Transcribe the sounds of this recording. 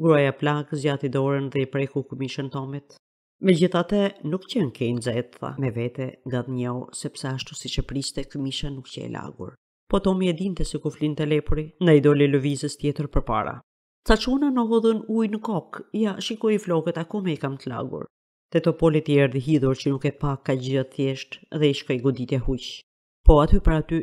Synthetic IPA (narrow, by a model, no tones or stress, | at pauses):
ɡɾuajaplaɡəzjat̪id̪ɔɾənðɛipɾɛkukəmiʃənt̪ɔmit̪ | mɛd͡ʑiθat̪ənukcɛnkɛjnzɛt̪a̰mɛvɛt̪ɛŋɡaðɲɛwsɛpsɛaʃt̪usit͡ʃəpɾist̪ɛkəmiʃanukcɛ̰ɛ̰la̰ɡṵɾ | pɔt̪ɔmiɛd̪int̪ɛsikuflint̪ɛlɛpuɾind̪ajd̪ɔlɛləvizəst̪jɛt̪əɾpəɾpa̰ɾa̰ | t͡sat͡ʃunanɔɦɔðənujnəkɔkjaʃikɔjiflɔkət̪akɔmɛikamt̪əla̰ɡṵɾ | t̪ɛt̪ɔpɔlit̪iɛɾðiɦiðuɾcənukɛpakːaɟat̪θjɛʃt̪ðɛiʃkɔjɡɔd̪it̪jɛhuc | pɔat̪ypəɾat̪y